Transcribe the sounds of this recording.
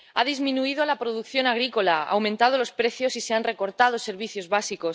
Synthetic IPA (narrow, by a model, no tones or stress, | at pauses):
aðizmĩnuið̞oalapɾoðukθjo̞naɣ̞ɾiko̞laa̰wmẽnt̪að̞olo̞spɾe̞θjo̞sise̞anre̞ko̞ɾt̪að̞ose̞ɾβ̞iθjo̞zβasiko̞s